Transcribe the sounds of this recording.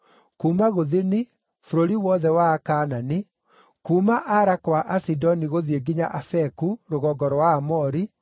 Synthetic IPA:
kumaɣoðeni | foɾoɾiwɔðɛwaːkaːnani | kuːmaʔaɾakwaʔasidɔniɣoðieɡiɲa̰ʔafɛkuɾoɣɔɡɔɾwaːmɔɾi

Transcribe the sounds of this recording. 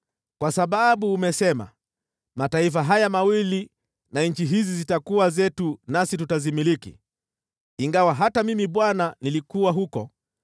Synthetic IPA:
kwasaɓaɓuːmɛsɛma̰ | mataif̬aɦajamawili | naɲ̩t͡ʃiɦizizitakuwazɛtunasitutazimiɾikḭ | iŋɡawaɦatamimiɓwananilikuwaɦukɔ

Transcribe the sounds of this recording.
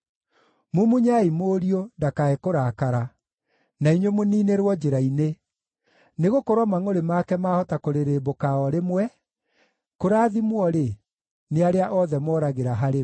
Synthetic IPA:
mumuɲaimoːɾiɔndakaekoɾaːkaɾa | naiɲwomoniːneɾwɔd͡ʒeɾaine | neɣokoɾwɔmaŋoɾemakɛmaːhɔtakoɾeɾebokaɔɾemwɛ | koɾaːðimwɔɾe | neaɾeaʔɔðɛmɔːɾaɣeɾaɦaɾe

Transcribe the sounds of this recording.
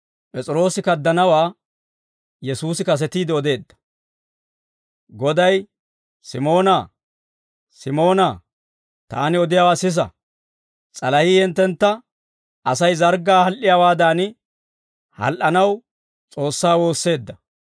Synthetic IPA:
pʼɛt͡sʼɪɾo̞ːsɪkɐd̪ːɐnɐwaː | jɛsuːsɪkɐs̬ɛt̪iːd̪ɪɔd̪e̞ːd̪ːɐ̥ | ɡɔd̪ɐj | sɪmo̞ːnaː | sɪmo̞ːnaː | t̪a̰ːnɪɔd̪ɪjaːwaːsɪs̬ɐ̰ | t͡sʼɐlɐhiːjɛnt̪ːɛnt̪ːɐ | ɐsɐjzɐɾɡːaːhɐlʔɪjawaːd̪aːnɪ | hɐ̰lʔɐnɐw | t͡sʼo̞ːsːaːwo̞ːsːe̞ːd̪ːɐ

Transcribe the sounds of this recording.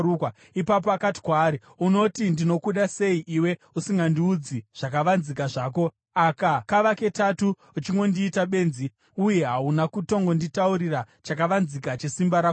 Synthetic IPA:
uka | ipap̬oakati̥kwaːɾi | uno̞tindino̞kuɗase̞iʔiwe̞ | usiŋɡandiud͡ziʐ̥ak̬aʋanzikaʐaːk̬o̞ | akakaʋake̞tatuː | t͡ʃiŋɡo̞ndiːtaɓe̞ːnzi | uje̞ɦaunakuto̞ŋɡo̞nditauɾira | t͡ʃakaʋanzikat͡ʃe̞simbaɾaːo

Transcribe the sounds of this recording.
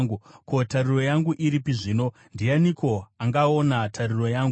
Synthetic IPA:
ŋɡuko̞tariro̞jaŋɡuʔiɾipiʐino̞ | ndijaniko̞aŋɡaonatʰariro̞jaːŋɡu

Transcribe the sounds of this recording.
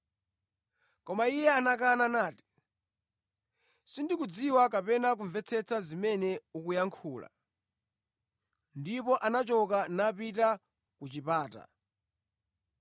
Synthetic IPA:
kɔmaijɛanakananaːti̥ | sindikud͡ziwakapɛnak̬uɱvɛt͡sʰɛt͡sʰazimɛnɛukujaŋkʰuːla̰ | ndipɔʔanat͡ʃɔkanapita | kut͡ʃipaːta̰

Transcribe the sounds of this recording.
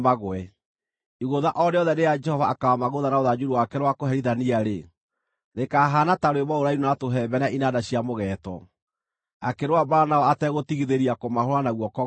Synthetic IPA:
maɣwɛ | iɣoðaʔɔdeɔðɛnead͡ʒɛhɔvaːkawamaɣoðanaoðad͡ʒuɾiwakɛɾwakoɦɛɾiðaniaɾe | nekaːɦanataɾoweβɔoɾaiɾunatoɦɛbɛnaʔinadaɕiamoɣɛtɔ̰ | akeɾwabaɾanaɔatɛɣotiɣiðeɾiakomahoɾwanaɣwɔkɔ

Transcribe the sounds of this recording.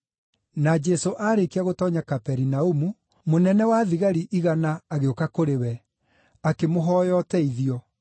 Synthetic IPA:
nad͡ʒɛsoʔaɾekiaɣotɔɲakapɛɾinaumu | monɛnɛwaðiɣaɾiʔiɣanaːɣeokakoɾewɛ | akemoɦɔːjɔtɛiðiɔ

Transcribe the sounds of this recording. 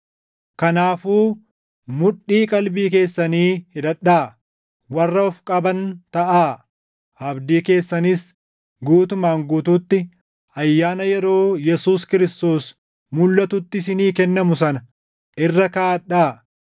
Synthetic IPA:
kɐnaːfuː | mʊᶑːiːkʼɐlbiːk̬e̞ːsːɐniːhɪᶑ̪ɐᶑːaː | wɐrːɐɔfkʼɐbɐnt̪ɐʔaː | ʔɐbd̪iːke̞ːsːɐnɪs | ɡuːt̪ʊmaːŋɡuːt̪uːt̪ːɪ | ɐjːaːnɐjɛɾo̞ːjɛsuːskɪɾɪst̪o̞ːs | mʊlːɐt̪ʊt̪ːɪsɪniːkɛnːɐmʊsɐnɐ | ʔɪrːɐkaːᶑaː

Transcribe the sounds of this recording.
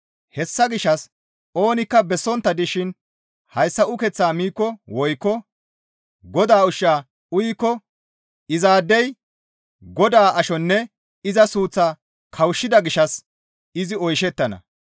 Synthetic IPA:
hɛsːɐɡɪʃːɐs | o̞ːnɪkːɐbɛsːɔnt̪ːɐd̪ɪʃɪn | hɐjsːɐʔʊkɛt͡sːaːmiːkːɔwɔjkːɔ | ɡɔd̪aːʊʃaː | ʊjkːɔ | ɪzaːd̪ːɛj | ɡɔd̪aːʔɐʃɔnːɛ | ɪzɐsuːt͡sːaː | kʰɐwʃːɪd̪ɐɡɪʃɐs | ɪzɪɔjʃɛt̪ːɐnɐ̰

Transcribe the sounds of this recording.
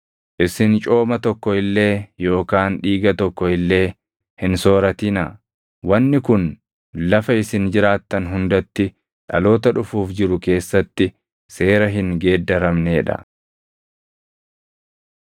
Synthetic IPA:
ʔɪsɪnt͡ʃʼo̞ːmɐt̪ɔkːɔɪlːe̞ːjo̞ːkaːnᶑiːɡɐt̪ɔkːɔɪlːe̞ː | hɪnso̞ːɾɐt̪ɪnɐ | wɐnːɪkʊn | lɐfɐɪsɪnd͡ʒɪɾaːt̪ːɐnɦʊnd̪ɐt̪ːɪ | ᶑɐ̰lo̞ːt̪ɐᶑʊfuːfd͡ʒɪɾʊke̞ːsːɐt̪ːɪ | se̞ːɾɐɦɪŋɡe̞ːd̪ːɐɾɐmne̞ːᶑɐ̰

